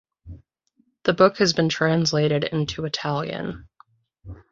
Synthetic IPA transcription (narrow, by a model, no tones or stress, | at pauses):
ðəbʊkhɨzbɨ̃ntʰɹ̥æ̃nsleɪɾɨɾɪ̰̃ntʰʉɨtʰælˠjɨ̰̃n